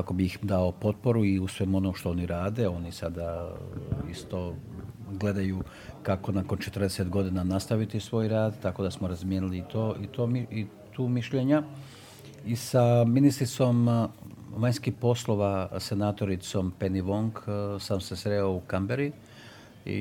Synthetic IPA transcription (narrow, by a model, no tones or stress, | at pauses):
kako̞bixd̪aopo̞t̪̚po̞ɾuiusʋemuo̞nomʃt̪ooniɾaːd̪e̞o̞nisad̪a | ḭst̪o̞ | ɡle̞d̪ajuː | kako̞nakont͡ʃe̞t̪r̩d̪eset̪ɡo̞d̪inanast̪aʋit̪isʋo̞ːjɾaːd̪t̪ːako̞d̪asmoɾazmjeːnilit̪oːit̪oːmii | t̪uːmiʃʎe̞ɲa | isaminist̪ɾit̪so̞m | ʋajɲʲskihpo̞slˠo̞ʋasenaːt̪o̞ɾit̪so̞mpe̞niʋo̞ŋksaːmsesɾeoukambeɾi | ḭ